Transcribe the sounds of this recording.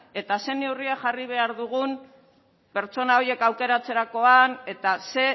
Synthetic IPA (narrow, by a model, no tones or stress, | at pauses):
e̞t̪ase̞ne̞wriaʝariβ̞e̞aɾðuɣun | pe̞ɾt͡so̞nao̞je̞kawke̞ɾat͡se̞ɾako̞ane̞t̪ase̞